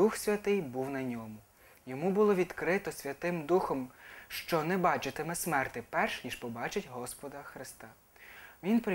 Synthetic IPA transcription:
uxsʲʋʲɐt̪ɪjbuwnɐnʲɔmʊ | jɔmubʊlˠɔʋʲid̪kɾɪt̪ɔsʲʋʲɐt̪ɪmd̪uxɔmʃt͡ʃɔnɛbɑt͡ʃɪt̪emɛsmɛrt̪ɪpɛrʃnʲiʃpɔbɑt͡ʃɪtʲɦɔspɔd̪ɐxɾɪst̪ɑ | ʋʲinpɾɪ

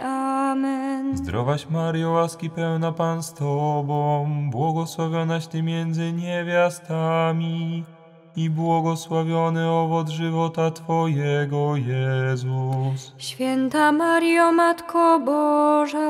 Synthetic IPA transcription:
amɛnzd̪ɾʔɔvaɕmaɾjɔwaskʲipɛwnapanst̪ɔbɔ̃wbwɔɡɔswavʲjɔnaɕt̪ɘmʲjɛnd̪zɘɲevʲjast̪amʲi | ibwɔɡɔswavʲjɔnɘɔvɔd̪ʐɘvɔt̪at̪fɔjɛɡɔjɛzusɕfʲjɛnt̪amaɾjamat̪kʰɔbɔʐa

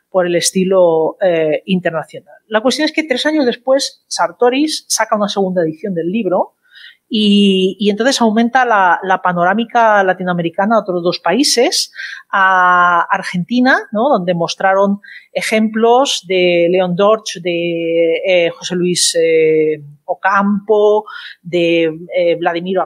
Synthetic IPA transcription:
po̞ɾe̞le̞st̪iloeint̪e̞ɾnaθjo̞nalːak̬we̞st̪jo̞neske̞t̪ɾe̞saɲo̞zðe̞spwe̞sːaɾt̪o̞ɾisːakaunaseɣ̞und̪aeðiθjo̞nd̪e̞lːiβ̞ɾo̞ | iːent̪o̞nθe̞sawmẽnt̪alalapano̞ɾamikalat̪inoame̞ɾikanaot̪ɾo̞zðo̞spaise̞saː | ɾxe̞nt̪inano̞ðo̞nd̪e̞mo̞st̪ɾaɾo̞ne̞xe̞mplo̞zd̪e̞le̞o̞nd̪o̞ɾt͡ʃd̪e̞ | xo̞se̞luis | okampod̪e̞βlaðimiɾ

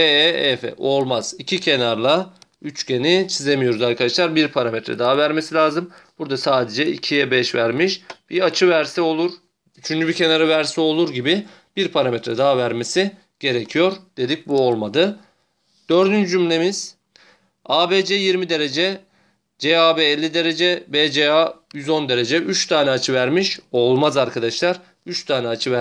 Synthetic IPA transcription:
eeefɛ̰ʔo̞lˠmaz̥icʰicʰe̞naɾlˠayt͡ʃcʰe̞nit͡ʃʰize̞mijo̞ɾuzaɾkʰad̪aʃlˠaɾbiɾpʰaɾamet̪ʰɾɛ̰d̪aːavæɾme̞silʲaːzɯmb̥uɾd̪asaːd̪e̞d͡ʒɛḭcʰijɛbɛʃvæɾmiʃb̥iat͡ʃʰɯvæɾsio̞lˠuɾ | yt͡ʃʰynd͡ʒybicʰe̞naɾɯvæɾsɛo̞lˠuɾɟibi | b̥iɾpʰaɾamet̪ʰɾɛd̪aɦvæɾme̞si | ɟ̥e̞ɾecʰijo̞ɾd̪̥e̞d̪ic̚buo̞lˠmad̪ɯ | d̪̥ø̞ɾd̪ynd͡ʒyd͡ʒymlʲe̞miz̥ | aːbeːd͡ʒɛjiɾmid̪e̞ɾe̞d͡ʒɛ | d͡ʒeaːbeːlʲːid̪e̞ɾe̞d͡ʒɛbed͡ʒeajyzo̞nd̪e̞ɾe̞d͡ʒɛʔyt͡ʃt̪ʰaːnɛat͡ʃʰɯvæɾmiʃo̞lˠmazaɾkʰad̪aʃlˠaɾ | yt͡ʃt̪ʰaːnɛat͡ʃʰɯvæ

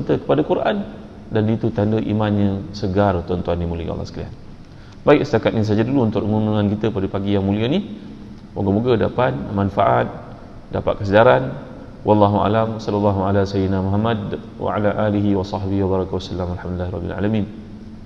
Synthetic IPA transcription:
nt̪əkə̥padakuɾʔan | danit̪ut̪andəʔḭmanɲə̃səɡart̪ɔnt̪uandimuləj̰a̰lːɑ̰səkalia̰n | baiksət̪akat̪nis̬ad͡ʒaduluunt̪ʊʔəŋunaŋankit̪əpadəpaɡijaŋmuliəni | woɡamuɡəda̰pat̪̚manfa̰ʔat̪̚ | dapa̰t̪̚kəsədaɾan | wʔɑlːɑɦuʔa̰lamwasɑlːulːɑɦualasajnamɔɦamad | wa̰ʕa̰laʔaliɦiwɑsˤɑhbihiwabaɾˤɑkawasalːamalħamdilːahɾˤɑ̰bḭla̰lamin

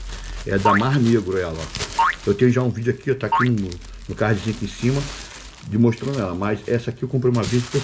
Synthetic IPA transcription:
ɛ̰d̪amahneɡɾʊɛlɐ̰ewt̪ẽjʊʒaũvid͡ʒʊakiewt̪aakinʊ | nʊkahd͡ʒɪʒẽnt̪ẽsĩmɐ | d͡ʒɪmoʃt̪ɾɐ̃nd̪ʊɛlɐmɐzɛsɐakiewkõp̬ɾejũmɐvizɐpke

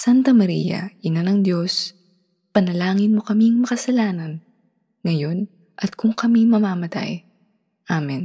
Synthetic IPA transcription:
sant̪ɐmɐɾḭjɐ̰ʔɪnanɐŋd̪jo̞s | pɐnɐlaːŋɪnmo̞kɐmiŋmɐkɐsɐlaːnɐn | ŋɐjo̞n | ʔɐt̪̚kʊŋkɐmimɐmaːmɐt̪a̰j | ʔamɛn

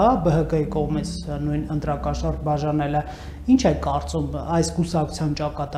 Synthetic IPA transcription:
ɑbəɦəkəjikɔʁmit͡sʰnujnənt̪ɾɑkɑʃɑɾbɑʒɑnɛlɛ | int͡ʃʰɛkːɑɾt͡sumɑjskusɑkʰu̥t͡sʰjɑnt͡ʃɑkɑt̪

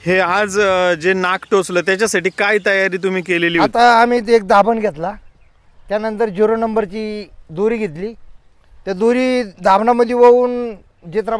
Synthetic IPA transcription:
head͡zd͡zenakʈosləːt̪jat͡ɕjasaʈiːkait̪əjaɾiːt̪̬um̤iːkeleliːat̪aːmiːt̪ek̚d̪ʱabənɡʱet̪la | t̪janənt̪əɾd͡ʑoɾonəmbəɾt͡ɕiːd̪uɾiːɡʱet̪liː | t̪jad̪uɾiːd̪ʱabnaməd̪ʱːjeʋəuːn | d͡ʑet̪ɾa

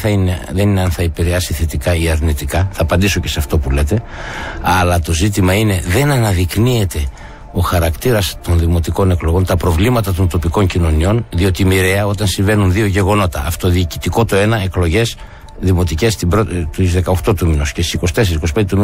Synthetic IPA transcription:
ɐineðe̞nineɐnθɐipiɾeɐsiθet̪ikɐiɐɾnit̪ikɐθɐːpɐnd̪iso̞ce̞sɐft̪o̞pule̞t̪e̞ɐlɐt̪o̞zit̪̬imɐine̞ðe̞nɐnɐðiknie̞t̪e̞ | o̞xɐɾɐkt̪iɾɐst̪o̞nðimo̞t̪iko̞ne̞klo̞ɣo̞nt̪ɐpɾo̞vlimɐt̪ɐt̪o̞nt̪o̞piko̞ɲcino̞nio̞nðio̞t̪iːmiɾe̞ɐo̞t̪ɐnsiɱve̞nunðio̞ʝe̞ɣo̞no̞t̪ɐ̰ːft̪oðiːci̥t̪iko̞t̪o̞e̞nɐeklo̞ʝe̞s | ðimo̞t̪ice̞st̪ibɾot̪izðe̞kɐoxt̪o̞t̪uminuscest̪isiko̞si̥t̪e̞s̬eisikosi̥ped̪eum

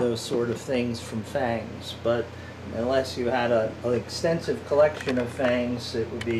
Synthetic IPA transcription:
ðoʊz̥sɔɹɾʌv̥θɪ̃ŋz̥fɹʌ̃ɱfæ̃ŋz̥b̥ʌɾ | ə̃nlɛsjɨəɾəəɨkstɛ̃nsɨv̥kʰəlɛkʃɨ̃nʌv̥fæ̃ŋzɪʔwəd̚bi

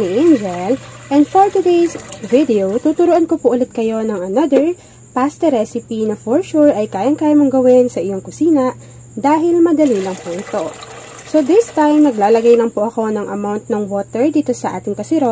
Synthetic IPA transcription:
niʔɛnd͡ʒɛlʔɛnd̪foɹt̪ʊd̪ejsvɪd̪ɛowt̪uːt̪ʊɾuʔɐnkopʊʔʊlɛt̪̚kɐjo̞nɐŋɐnɐd̪ɛɹ | past̪ɛɾɛsɪpinɐfɔɹʃuɹʔɐjkaːjɐŋkaːjɐmoŋɡɐwɛnsɐʔɪjo̞ŋkʊsiːnɐʔ | d̪aːɦɪlmɐd̪ɐlilɐŋpɛnt̪o̞ | so̞d̪ɪst̪ãjmnɐɡlaːlɐɡajlɐŋpʊʔɐko̞nɐŋʔɐmawnt̪̚nɐŋwoːt̪ɛɹd̪iːt̪o̞sɐʔa̰ːt̪ɪŋkɐsɪɾo

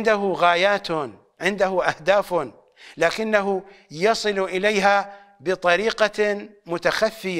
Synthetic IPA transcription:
nd̪aɦʊɣaːjaːt̪ | ʕɪnd̪ahʊʔahd̪aːf | laːkɪnːaɦʊ | jɑsˤɨlʔɪlajɦa | bɨt̪ˤɑɾiːqɑmʊt̪axafːɪja

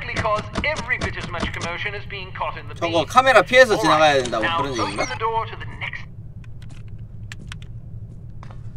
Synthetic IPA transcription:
klikʰɒzɛvɹibɪɾɨzmʌt͡ʃkʰəmoʊʃɨ̃nɨzbiɪ̃ŋkʰɒɾɨ̃nðət͡ɕʌɡʌkʰame̞ɾapʰie̞s̬ʰʌt͡ɕinaɣajade̞ndaɡokɯɾʌnɡʌinaðədɔɹɾɨðɨnɛks

